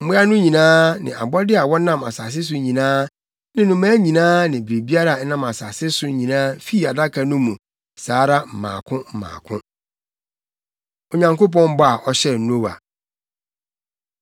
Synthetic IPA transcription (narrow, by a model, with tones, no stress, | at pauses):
m̩˦mʊ˦a˦nʊ̃˦ɲĩ˨nãː˦nɪ̰̃˨a̰˨bɔ˦dɪ˦a˨wɔ˦nã˦˨ma̰˨sa˨s̬ɪ˦s̬ʊ˨ɲĩ˨nãː˦ | nɪ̃˨nʊ̃˨mãː˦ɲĩ˨nãː˦nɪ̃˨bɾe˨bi˦a˦ɾa˨˦nã˨ma˨sa˨sɪ˦sʊ˨˦ɲĩ˨nãː˦fi˦˨a˨da˦kʰa˨nʊ̃˦mũ˨ | saː˨˦ɾa˦m̩˨mã̰ː˨kʰʊ̃˦m̩˨mã̰ː˨kʰʊ̃˦ | o˨ɲã˨ŋko˦p̬ɔ̃˦m˦bɔ˦a˨ʔɔ˦ɕɛ˦˨˦n˦o˦wa̰˨